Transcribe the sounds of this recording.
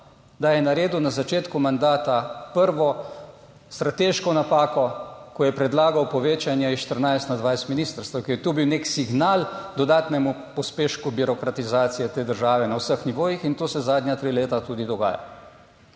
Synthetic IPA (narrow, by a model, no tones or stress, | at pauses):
d̪ajɛnaɾeːd̪unazat͡ʃeːt̪kumand̪aːt̪apəɾʋɔ | st̪ɾat̪eːʃkɔnapaːkɔkɔjɛpɾɛd̪laːɡawpɔʋeːt͡ʃanjɛiʃt̪əɾnajst̪nad̪ʋajst̪miniːst̪əɾst̪əwkɛɾjɛt̪obiwneksiɡnaːld̪ɔd̪aːt̪nɛmu | pɔspeːʃkubiɾɔkɾat̪izaːt̪sijɛt̪eːd̪əɾʒaːʋɛnawsəxniʋoːjixint̪oːsɛzaːd̪nʲjat̪ɾiːleːt̪at̪uːd̪id̪ɔɡa̰ːja̰